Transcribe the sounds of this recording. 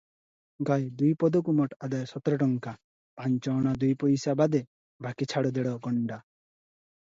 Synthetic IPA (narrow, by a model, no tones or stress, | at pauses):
ɡajd̪ujpɔd̪ɔkumɔʈad̪ajɔsɔt̪ɾɔʈ̬ɔŋka | pant͡ʃɔːɽ̃ad̪ujpɔjsabad̪e | bʱakit͡ʃʰaɽɔd̪eɽɔɡɔɳɖa